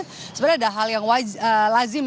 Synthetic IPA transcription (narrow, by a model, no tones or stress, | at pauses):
səbaɾaadaɦaljaŋwad͡ʒəlazɪm